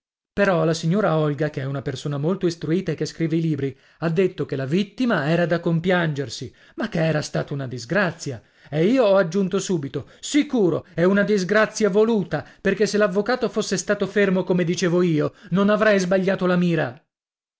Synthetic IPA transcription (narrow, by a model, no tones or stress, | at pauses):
peɾɔlasiɲːoːɾaɔlɡakeɛunapersoːnamolt̪oist̪ɾuiːt̪aekːeskɾiːveiliːbɾi | ad̪ːet̪ːokelavit̪ːimaɛːɾad̪akːompjand͡ʒersi | makːeɛːɾast̪a̰ːt̪aunad̪izɡɾat̪sːja | eiːoɔad͡ʒːunt̪osuːbit̪osikuːɾoɛunad̪izɡɾat̪sːjavoluːt̪aperkesːelavːokaːt̪ofosːest̪aːt̪ofermokomed̪it͡ʃeːvoiːononavɾɛjzbaʎːaːt̪olamiːɾa